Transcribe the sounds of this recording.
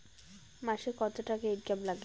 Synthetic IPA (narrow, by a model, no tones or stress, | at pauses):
maʃekɔt̪oʈakeeʈ̚ɡablaɡle